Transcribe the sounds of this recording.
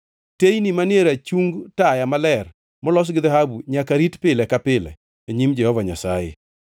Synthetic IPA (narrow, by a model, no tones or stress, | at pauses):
tejnimanɪeɾat͡ʃuŋɡtajamalɛr | mɔlɔs̬ɡɪd̪aɦabuɲakaɾitpɪlɛkapɪlɛ̰ | eɲimd͡ʒɛhɔvaɲasajɪ̰